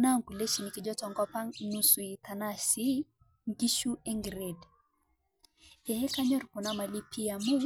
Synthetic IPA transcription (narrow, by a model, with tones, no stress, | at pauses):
na˦˨ŋku˨le˦ʃi˨ni˨ki˨d͡ʒɔ˦t͡ʃɔ˨ŋɡɔ˦pa˦nu˨su˨i˨t̪a˨na˦si˦ | ŋɡi˦ʃu˦e˦ŋɡi˨ɾe˨d | ɛ˨hɛ˦ka˦ɲɔ˦ɾkɔ˨na˦ma˨li˦pʰi˦ja˨mu˦